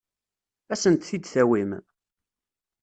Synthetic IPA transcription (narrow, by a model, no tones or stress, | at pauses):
æsənt̪θid̪θæwim